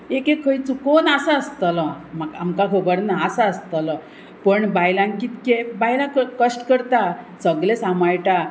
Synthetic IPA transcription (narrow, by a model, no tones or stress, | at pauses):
ekekʰːəjt͡sukonasaəst̪alɔmaɡa̰mkakʰəbəɾnaːsaəst̪alɔ | pəɳbajlãŋkit̪kebajlãkəkəsʈkəɾt̪a | səɡlesamajʈa